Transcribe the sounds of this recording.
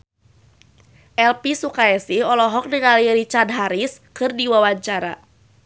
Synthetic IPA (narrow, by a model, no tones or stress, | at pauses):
ʔɛlpisukaɛsihɔlɔɦɔk̚diŋaliɾit͡ʃadɦaɾiskɨrdiwawaɲt͡ʃaɾa̰